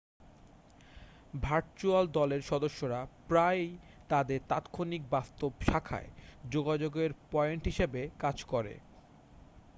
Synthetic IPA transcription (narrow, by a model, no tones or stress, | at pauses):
bʱaɾt͡ɕuald̪ɔleɾʃɔd̪oʃːoɾapɾaj | t̪ad̪eɾt̪a̰t̪kʰonik̚bast̪obʃakʰa̰ed͡ʑoɡad͡ʑoɡeɾpɔeɳʈɦiʃebekad͡ʑkɔɾḛ